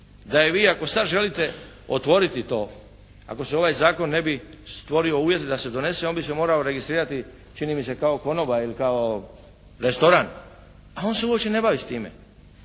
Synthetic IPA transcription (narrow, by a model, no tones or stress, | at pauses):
d̪ajeʋiːako̞sad̪ʒe̞lit̪e̞ | ot̪ʋo̞ɾit̪it̪o̞ː | a̰ko̞seo̞ʋajzaːko̞nːe̞bi | st̪ʋo̞ɾio̞uːʋje̞t̪ed̪ase̞d̪o̞ne̞seo̞nbisemo̞ːɾaoɾe̞ɡist̪ɾiːɾat̪i | t͡ʃinimise̞kao̞ko̞no̞bailikao | ɾest̪o̞ɾaːn | ao̞ːnseuopt͡ʃene̞baʋist̪iːmḛ